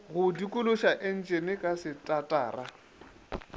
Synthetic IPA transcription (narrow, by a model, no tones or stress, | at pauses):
ɣʊdikʼʊlʊʃaʔɪn̩t͡ʃʼenɪkʼasɪtʼatʼa̰ːra